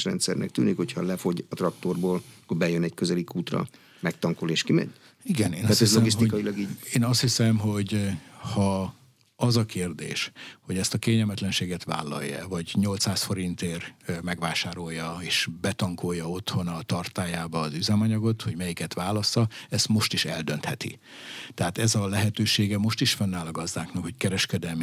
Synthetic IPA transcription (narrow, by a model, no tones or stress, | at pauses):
ʃrɛ̰nt̪sɛrnɛ̰k̚t̪yːnikho̞chɒlɛfo̞ɟɒt̪rɒk̚t̪orboːlkːorbɛjønɛckøzɛlikuːt̪rɒ̰ | mɛk̚t̪ɒŋkoleːʃkimɛ̰ɲ | iɡɛneːnaɛzloɡis̬t̪ikɒjilɒɡiːɟeːnɒst̪hisɛmɦo̞ɟhɒ | ɒzɒkeːrd̪ḛːʃho̞ɟɛst̪ɒkeːɲɛlmɛt̪lɛnʃeːɡɛt̪ʋa̰ːlːɒ̰jːɛ̰vɒɟɲo̞lt̪saːsfo̞ɾint̪eːrmɛɡʋaːʃaːɾo̞jːɒeːʃbɛt̪ɒŋko̞jːɒo̞t̪ho̞nɒt̪ɒrt̪aːjaːbɒːzyzɛmɒɲɒɡo̞t̪ho̞ɟmɛjikɛt̪ʋaːlɒsːɒɛst̪mo̞ʃt̪iʃɛld̪ø̞nt̪hɛt̪ḭ | t̪ɛɦaːt̪ɛzɒlɛɦɛt̪øːʃeːɡɛmo̞ʃt̪iʃfɒnːaːlɒɡɒzd̪aːknɒkho̞ckɛɾɛʃkɛd̪ɛlmi